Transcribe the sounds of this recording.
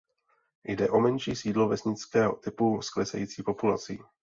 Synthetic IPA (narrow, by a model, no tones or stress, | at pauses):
jdɛʔo̞mɛnʃiːsiːdlo̞vɛsɲɪt͡skɛːɦo̰t̪ɪpusklɛsɛ̰jiːt͡siːpo̞pula̰t͡sḭ